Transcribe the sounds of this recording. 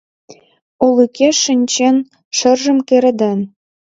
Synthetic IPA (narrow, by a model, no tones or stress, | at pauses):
ulˠykʲʰeʂɘ̆nʲt͡ɕen | ʃɤ̆rʒɤ̆mkʲeɾɘ̆d̪ɘ̆n